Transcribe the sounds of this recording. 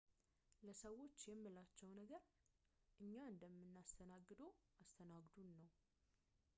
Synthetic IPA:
ləsəwo̞t͡ʃːjɛmːɨlat͡ʃːɛwnəɡəɾ | ʔɨɲːaɨnd̪əmːɨnːast̪ʰənaɡːɨd̪əwast̪ʰənaɡd̪unːəw

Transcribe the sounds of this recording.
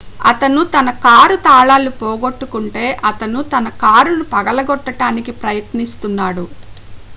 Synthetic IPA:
ɐt̪ɐnut̪ɐnɐkaːɾut̪aːɭaːlupɔːɡo̞ʈːukuɳʈe̞ːʔɐt̪ɐnut̪ɐnɐkaːɾunupɐɡɐlɐɡɔʈːɐʈaːnikipɾɐjɐt̪nist̪unːaːɽu

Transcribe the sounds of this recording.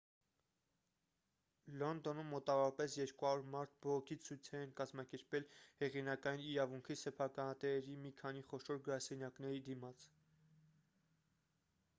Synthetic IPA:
lɔnd̪ɔnəmːɔt̪ɑvɔɾɑpɛsjɛɾkuɑuɾmɑɾt̪̚ʰbɔʁɔkʰit͡sʰujt͡sʰɛɛnkɑzmɑkɛɾpɛlhɛʁinɑkɑjiniɾɑvuŋkʰisɛpʰɑkɑnɑt̪ɛɛɾimikʰɑniχɔʃɔɾɡəɾɑsɛnjɑknɛɾid̪imɑt͡sʰ

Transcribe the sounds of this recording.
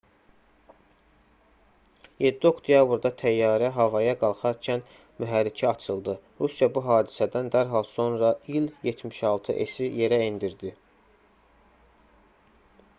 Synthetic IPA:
jed̪ːiokd̪jɑbɾd̪ɑt̪ʰæjːɑːɾæɦɑvɑjɑɡɑlˠχɑɾcʰæn | myɦæɾːicʰiɑt͡ʃʰɯlˠd̪ɯɾusjɑbuɦɑːd̪isæd̪ænd̪æɾɦɑlˠso̞nɾɑiljet̪ʰmiʃɑlˠt̪ʰɯʔesije̞ɾæind̪iɾd̪i

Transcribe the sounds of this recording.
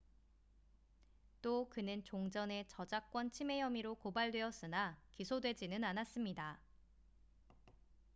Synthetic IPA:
t͈okɯnɯnt͡ɕoŋd͡ʑʌne̞t͡ɕʌd͡ʑak͈wʌnt͡ɕʰime̞jʌmiɾokobaɭdwe̞ʌs͈ɯnakisʰodwe̞d͡ʑinɯnanas͈ɯmɲida

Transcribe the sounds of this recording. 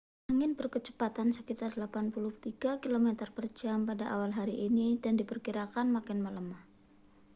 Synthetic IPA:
aŋɪnbərkət͡ʃə̥pat̪ansəkit̪ardlapanpulʊht̪iɡakilomɛt̪ərpərd͡ʒampadaʔawalɦaɾiʔːnidandipərkiɾakanmakanmələmah

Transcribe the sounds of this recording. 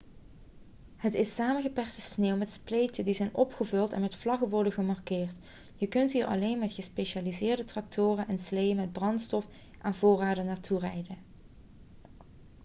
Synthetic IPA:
hətɪsaːmənɣəpɛɹstəsneːwmɛtsplejtəndizɛjnʔɔpχəvɵlˠtɛ̰nmɛtflɑɣəʋɔɹdəɣəmɑrkɪːrt | jəkɵntɦiːɹʔɑ̰lejnmɛtχəspejʃaːlizɪːɹdətrɑk̚tʰoʊːrənʔɛnslejəmɛd̚brɑntstɔf | ʔaːnvʊːraːdənaːɹtʰurɛjdən

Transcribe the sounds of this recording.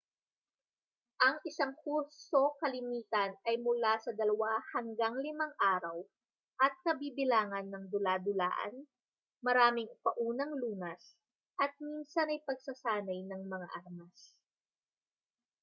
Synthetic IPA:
ʔɐŋɪsaŋkuɾsso̞kɐlɪmiːt̪ɐnɐjmʊlasɐd̪ɐlɐwahɐŋɡaŋlɪmaŋʔaːɾɐw | ʔɐt̪̚kɐbiːbɪlaːŋɐnːɐŋd̪ʊlaːd̪ʊla̰ːʔɐ̰n | mɐɾaːmɪŋpɐʔuːnɐŋluːnɐs | ʔɐt̪̚minsɐnɐjpɐɡ̚sɐsaːnɐjnɐŋmɐŋa̰ʔaɾmas

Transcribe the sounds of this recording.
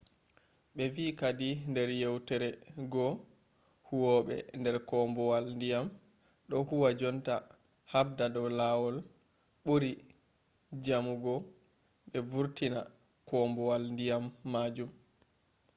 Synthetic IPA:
ɓɛvikadindɛɾjɛwtɛɾɛɡɔ | huwɔɓɛ̰ndɛɾkɔmbɔwalndijam | ɗɔhuwad͡ʒɔnta | hab̚dadɔwlawɔl | ɓuɾi | d͡ʒamuɡɔ | ɓɛvuɾtina | kɔmbɔwalndijamːaːd͡ʒum

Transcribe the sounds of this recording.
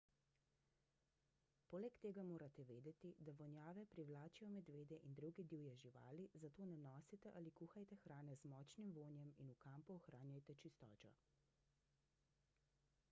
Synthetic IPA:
poːlɛkt̪eːɡamoːɾat̪ɛʋeːd̪ɛt̪id̪aʋɔnjaːʋɛpɾiwlaːt͡ʃijɔmɛd̪ʋeːd̪ɛʔind̪ɾuɡid̪iːwjɛʒiʋa̰ːlizat̪oːnɛnɔːsit̪ɛʔalikuːxajt̪ɛxɾaːnɛzmɔːt͡ʃnimʋoːnjɛminukampɔɔxɾaːnjajt̪ɛt͡ʃist̪ɔ̰ːt͡ʃɔ̰

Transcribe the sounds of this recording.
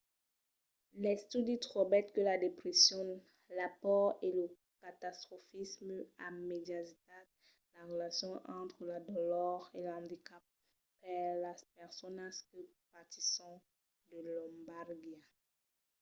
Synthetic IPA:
lɛst̪yd̪it̪χobɛt̪kəlad̪epχesjɔ̃n | lapɔʁelə | kat̪ast̪χɔfismamed̪jazit̪at | laʁəlasjɔ̃ʔɑ̃t̪χəlad̪ɔlɔʁelɑ̃d̪ikap̚ː | ɛlaspɛʁsɔnaskəpat̪isɑ̃ | d̪əlɔ̃mbaʁɡja

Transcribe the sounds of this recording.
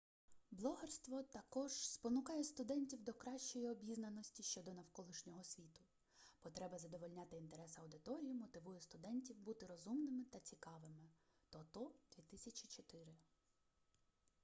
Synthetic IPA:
blˠɔɦerst̪ʋɔt̪ɐkɔʒspɔnʊkɑjɛst̪ʊd̪ɛnʲtʲiwd̪ɔkɾɑʃʲt͡ʃɔjiɔbʲiznɐnːɔsʲtʲiʃt͡ʃɔd̪ɔnɐwkɔlˠɪʃnʲɔɦɔsʲʋʲit̪ʊ | pɔt̪ɾɛbɐzɐd̪ɔʋɔlʲnʲat̪ɪint̪eɾɛsɐwd̪ɪt̪ɔɾʲijimɔt̪ɪʋujɛst̪ʊd̪ɛnʲtʲiwbut̪ɪɾɔzumnɪmɪt̪ɐt͡sʲikɑʋɪmɪ | t̪ɔt̪ɔd̪̥ʋʲit̪ɪsʲɐt͡ʃʲit͡ʃɔt̪ɪɾɪ

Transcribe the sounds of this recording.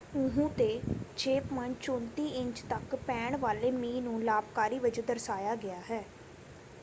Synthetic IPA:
ʊɦũːt̪eːt͡ʃʰeːpmənt͡ʃõːnt̪iːɪ̃ɲt͡ʃt̪əkpɛ̃ːɳʋaːleːmiːnũːlaːpkaːɾiːʋəd͡ʒəd̪əɾsaːjaːɡɪaːɦɛː

